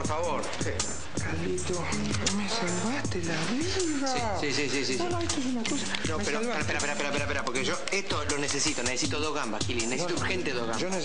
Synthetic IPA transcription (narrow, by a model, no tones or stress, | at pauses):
poɾfaβoɾsi | kalit̪o | mesalβaht̪elaβiɣasi | sisisis̬isonõeht̪oes̬unakosanopeɾo | aɾapeɾapeɾapeɾapeɾapeɾapoɾkeʒoeht̪olonesesit̪onesesit̪oðoɣambakilineseit̪ouɾxent̪eðoɣa̰ʒone